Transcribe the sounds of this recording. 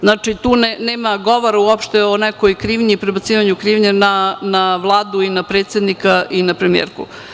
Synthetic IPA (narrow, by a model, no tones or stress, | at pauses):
znat͡ʂit̪uːneneːmaɡo̞ʋoɾauopʃt̪eonekojkɾiːʋɲipɾebat̪siːʋaɲukɾiːʋɲenanaʋlˠaːd̪uinapɾeːt̪sed̪nikaʔinapɾemiḛɾkṵ